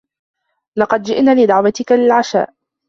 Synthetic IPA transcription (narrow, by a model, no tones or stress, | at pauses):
lɑqɑd̪d͡ʒɪ̰ʔnaːlɪd̪ɑʕwat̪ɪkalɪlʕaʃa̰ːʔ